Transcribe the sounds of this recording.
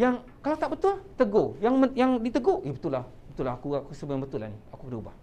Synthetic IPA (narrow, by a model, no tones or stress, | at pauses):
jaŋ | kalawt̪aʔbət̪ʊlt̪əɡojaŋməjaŋdit̪əɡoebət̪ulah | bət̪ulaakuakusəbəjaŋbət̪ʊla̰niakukədaubah